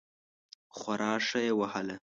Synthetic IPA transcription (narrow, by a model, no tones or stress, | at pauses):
xwaɾɑːʂajewahəle